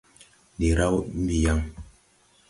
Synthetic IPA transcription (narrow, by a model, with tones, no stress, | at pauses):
di˨ɾa˦wm̩˦bi˨ja˦˨ŋ